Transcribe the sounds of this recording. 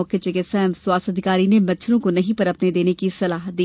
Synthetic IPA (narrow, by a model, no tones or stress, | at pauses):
ɔket͡ʃekesɛːmswaːsəd̪ʱɪkaːɾinemɐtːt͡ʃʰɾõkonɐɦĩpɐɾɐpned̪eːnekisɐlaːɦ̪iː